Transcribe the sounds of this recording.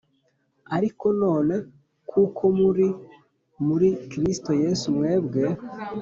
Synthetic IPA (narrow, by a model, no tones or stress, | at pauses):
aɾiko̞no̞ːne̞ | kʰuːkʰo̞muɾi | muɾikɾisto̞je̞sumŋe̞ːbɡe̞